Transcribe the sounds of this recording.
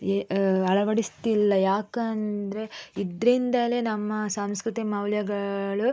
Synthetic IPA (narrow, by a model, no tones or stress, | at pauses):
ɐɭɐʋɐɽist̪ilːɐjaːkɐnd̪ɾe̞id̪ɾind̪ɐlenɐmːɐsaːmskɾut̪imɐwljɐɡɐɭu